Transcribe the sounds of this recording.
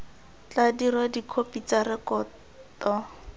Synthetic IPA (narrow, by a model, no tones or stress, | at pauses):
t͡ɬadirwadikʰopit͡sarɪkɔː | tɔ